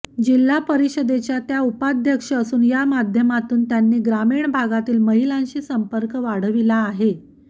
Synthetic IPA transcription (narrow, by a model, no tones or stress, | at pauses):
d͡ʑilːapəɾiɕəd̪et͡ɕjat̪jaupad̪ʱjəkʂəːsuːnjamad̪ʱjəmat̪uːnt̪janːiːɡɾamiːɳbʱaɡat̪iːlməɦilãɲɕiːsəmpəɾkəʋaɽ̤əʋilaːɦe